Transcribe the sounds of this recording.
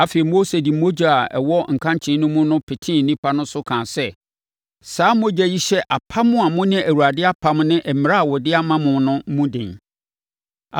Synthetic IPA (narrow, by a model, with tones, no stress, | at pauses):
a˦fe˨i˨mo˦se˨di˨mo˦d͡ʑa˨a˨ɛ̰˨wɔ˦ŋ̩˨kʰã˦ɲt͡ɕʰɪ̃˨˦nʊ̃˦mũ˦nʊ̃˦pʰɪ˨tʰĩ˦n̩˨nĩ˦pʰa˦nʊ̃˦sʊ˦kʰãː˨sɛ˦ | saː˨˦mo˦d͡ʑæ˦ji˦ɕɛ˦ʔa˨pʰa˦mʊ̃˦a˨mʊ̃˦nɪ̃˦æ˨wu˨a˨dɪ˦a˦pʰa˦mnɪ̃˦ʔɛ˨mɪ˨ɾa˦a˨wɔ˨dɪ˦a˦mã˦mʊ̃˨nʊ̃˦mũ˦dɪ̰̃˨n˨